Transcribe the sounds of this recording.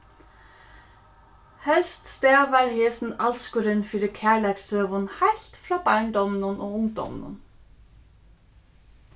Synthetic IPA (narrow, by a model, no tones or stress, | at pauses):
hɛlst̪st̪æːʋɑːɹheːsn̩ɑlskʊɾɪnfiːɾɪkʰæːɭæksøːʋʊnhaɪlt̪fɾɑːbɑɹɳd̪ɔmnʊnʔo̰ːʊŋd̪ɔ̰m̰nʊ̰n